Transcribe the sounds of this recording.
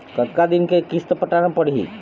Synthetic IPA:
kət̪kad̪ɪnkekist̪əpəʈanapəɽḭ

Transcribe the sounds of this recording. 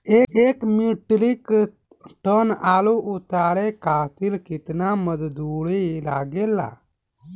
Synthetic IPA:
eːeːkmiʈlik | ʈənaːloʔʊt̪aːɾekaːt̪ilkɪt̪naməd̪d̪uːɽilaːɡeːlːa̰ː

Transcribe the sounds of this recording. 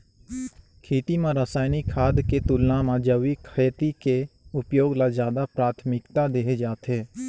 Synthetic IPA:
kʰiːʈ̪iːmãːɾəsaːjnikʰaːd̪keːt̪ʊlːãːmãːd͡ʒəʋiːkʰəjt̪iːkeːʊpjoːɡlaːzjaːd̪aːpɾaːt̪ʰmɪkt̪aːd̪eːɦed͡ʒaːt̪ʰeː

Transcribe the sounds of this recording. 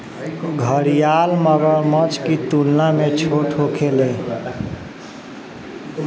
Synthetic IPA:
ɡʱəɾijalməɡəmət͡ʃkit̪ulnamet͡ʃʰoʈʰokʰele

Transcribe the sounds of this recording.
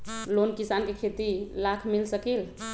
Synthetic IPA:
lonkisankekʰet̪ilakʰmilsəkil

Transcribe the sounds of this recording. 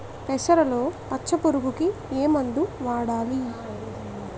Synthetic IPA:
pɛʃɐɾɐlo̞ːpɐt͡ʃːt͡ʃːɐpuɾuɡukieːmɐnd̪uʋaːɽaːli

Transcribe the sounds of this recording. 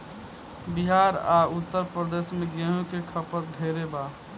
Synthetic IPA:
biɦaːɾaʊt̪ːəɾpɾəd̪eːsmẽɡeɦõkekʰəpət̪̚d̪ʱeːɾeba

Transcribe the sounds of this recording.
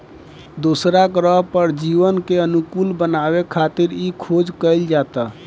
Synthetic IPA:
d̪osɾakɾəɦpəɾd͡ʒiβənkeənukulbənaβekʰat̪iɾikʰod͡ʒkəɪld͡ʒat̪ə

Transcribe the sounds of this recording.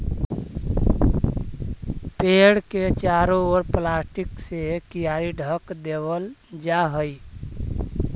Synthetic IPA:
peɽket͡ʃaɾooɾplasʈiksekijaɾiɖʱəkd̪eβəld͡ʒaɦəj

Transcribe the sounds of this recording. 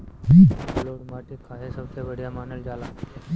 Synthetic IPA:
ɦibloɽmaʈikʰaɦesəʋt̪ʰeʋəɽjamanəld͡ʒala

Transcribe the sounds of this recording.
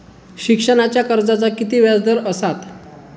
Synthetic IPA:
ɕikʂəɳat͡ɕjakəɾd͡zat͡sakit̪iːʋjad͡zd̪əɾəsat̪

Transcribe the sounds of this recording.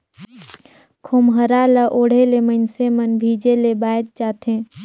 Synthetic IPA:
kʰomɦəɾaːləʔoːɽ̤elemənsemənbʱiːd͡ʒelebaːt̪̚t͡ʃaːt̪ẽː

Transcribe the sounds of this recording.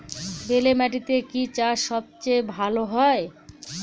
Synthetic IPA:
belemɛʈ̬it̪ekit͡ɕaʃɔb̚t͡ɕejbʱaloɦɔe

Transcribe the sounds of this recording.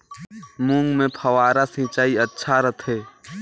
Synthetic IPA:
mũŋɡmẽpʰəwaːɾasĩːt͡ʃaːiɐtːʃʰaɾət̪ʰɦeː

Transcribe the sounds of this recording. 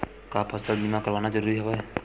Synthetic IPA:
kaːpʰəsəld̪imãkəɾʋaːnad͡ʒəɾuːɾiɦoʋaɛ

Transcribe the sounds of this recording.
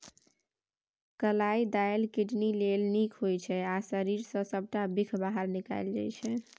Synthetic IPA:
kəlaid̪ajlkiʈnilelnikʰɦojt͡ʃʰɛasəɾiɾsə̃səb̚ʱʈabikʰbaɦəɾnika̰ɪld͡ʒa̰jt͡ʃʰɛ

